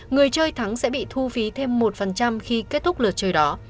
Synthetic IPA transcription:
ŋɨ˨˩əjt͡ɕəː˧jt̪ʰa˨˦ŋsɛ̰˧˥ɓḭ˧˨t̪ʰu˧fi˨˦t̪ʰe˧mːo˨˩t̚fə˨˩nt͡ɕa˧mxi˧ke˦˥t̚t̪ʰʊ˦˥k͡p̚lɨ˨˩t̚t͡ɕəː˨˩jɗɔ˨˦

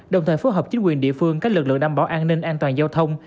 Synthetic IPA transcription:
ɗə˨˩wŋ͡mt̪ʰəː˨˩fo˨˦jɦɔː˨˩p̚t͡ɕï˨˦ŋkwi˨˩ənɗḭ˧˨əfɨ˧əŋkaː˦˥k̚lɨ˨˩k̚lɨ̰˧˨ŋɗa˧˩ɓaː˨˦ʔaː˧nːï˧ŋ̟ʔaː˧nt̪waː˨˩nzaː˧wt̪ʰə˧wŋ͡m

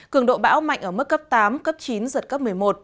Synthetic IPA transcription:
kɨ˧˩əŋɗo̰˧˨ɓa̰ː˧˥wma̰˧˨jŋ̟ʔəː˧˩mɨ˦˥k̚ːə˦˥p̚t̪aː˨˦mkə˦˥p̚t͡ɕi˨˦nzə˨˩t̚kə˦˥p̚mɨ˨˩əjmo˨˩t̚

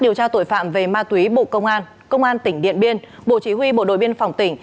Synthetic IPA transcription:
ɗi˨˩əwt͡ɕaː˧t̪o̰˧˨jfa̰ː˧˨mve˨˩maː˧t̪wi˨˦ɓo̰˧˨kə˧wŋ͡mʔaː˧n | kə˧wŋ͡mʔaː˧nt̪ï˧˩ŋ̟ɗḭ˧˨ənɓi˧ən | ɓo̰˧˨t͡ɕi˨˦ɦwi˧ɓo̰˧˨ɗo̰˧˨jɓi˧ənfa˨˩wŋ͡mt̪ï˧˩ŋ̟

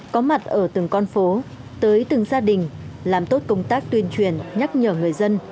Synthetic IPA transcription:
kɔ˨˦ma˨˩t̚ʔəː˧˩t̪ɨ˨˩ŋkɔ˧nfo˨˦ | t̪əː˨˦jt̪ɨ˨˩ŋzaː˧ɗï˨˩ŋ̟laː˨˩mt̪o˦˥t̚kə˧wŋ͡mt̪aː˦˥k̚t̪wi˧ənt͡ɕwi˧˩ənɲa˦˥t̚ɲəː˧˩ŋɨ˨˩əjzə˧n

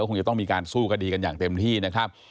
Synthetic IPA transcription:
kʰo˧ŋt͡ɕa˧t̪ɔ˥˩miː˧kaː˧nsuː˥˩kʰa˧diː˧ka˧njaː˨˩ŋt̪e˧mt̪ʰiː˥˩na˦˥kʰɾa˦˥p̚

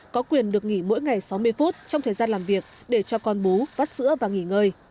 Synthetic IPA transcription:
kɔ˨˦kwi˨˩ənɗɨ˨˩ək̚ŋḭ˧˩mo̰˧˥jŋa˨˩jsa˨˦wmɨ˧əjfu˦˥t̚t͡ɕɔ˧wŋ͡mt̪ʰəː˨˩jzaː˧nlaː˨˩mvi˨˩ək̚ | ɗe˧˩t͡ɕɔ˧kɔ˧nɓu˨˦vaː˦˥t̚sɨ̰˧˥əvaː˨˩ŋi˧˩ŋəː˧j

